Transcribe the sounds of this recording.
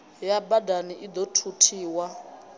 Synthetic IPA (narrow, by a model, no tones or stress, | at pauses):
jabadaniʔid̪ɔtʰutʰiːwa